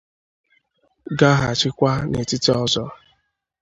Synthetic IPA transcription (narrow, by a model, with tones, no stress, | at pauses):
ɡa˦ɦa˨t͡ʃɪ˦kʷa˦ne˨tɪ˦ti˦ɔ˦zɔ˦